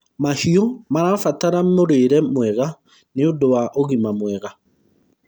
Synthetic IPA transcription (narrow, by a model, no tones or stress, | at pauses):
mahiomaɾafataɾamoɾeɾɛmwɛɣa | neodowaʔoɣimamwɛɣa